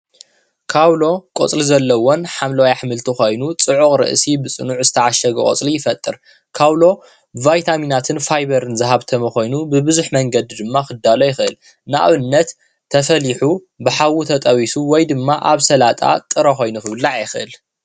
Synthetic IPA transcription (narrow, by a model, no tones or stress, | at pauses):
kʰawlo̞kʼo̰t͡sʼlizɐlːɐwonħamlɐwajaħmɨlt̪ʰixo̞jnut͡sʼɨʕukʼɾɨ̰ʔsibɨt͡sʼɨ̰nuʕzɨt̪ʰɐʕaʃɐɡɐkʼot͡sʼlijɪfɐt̪ʼːɨɾ | kʰawlo̞ | bɨvajt̪ʰaminat̪ʰɨnfajbɐɾɨnzɨɦaβt̪ʰɐmɐxo̞jnubɨbɨzuħmɐŋɡɐd̪id̪ɨmːakɨd̪ːalojɪxɨʔɨl | naʔa̰βɨnːɐt̪ʰː | ɐfɐliħu | bɨħawut̪ʰɐt̪ʼɐwisuwɔjd̪ɨmːaʔaβsɐlat̪ʼa̰t̪ʼɨɾɐxo̞jnuxɨβɨlːaʕjɪxɨʔɨl